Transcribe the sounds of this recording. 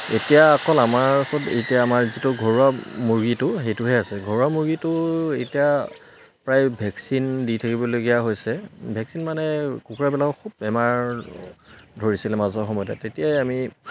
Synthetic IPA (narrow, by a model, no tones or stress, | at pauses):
etijaːkɔlamaɹsɔtetijaːmaɹzitʊɡʱɔɹuamoɹɡitʊxejtʊɦɛasɛɡʱɔɹuamoɹɡitʊetija | pɹajbʱɛksinditʰakibɔloɡijaɦojsɛbʱɛksinmanɛkukuɹabɛlakɔkʰubɛmaɹ | dʱoɹisilɛmazɔxɔmɔjtatetijajami